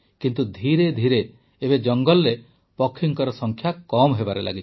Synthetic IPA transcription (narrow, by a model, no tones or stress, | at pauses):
kint̪ud̪ʱiɾed̪ʱiɾeː | bed͡ʒɔŋɡɔlːe | pɔkʰːiŋkɔɾɔsɔŋkʰjakɔmɦebaɾela̰ɡit͡ʃʰ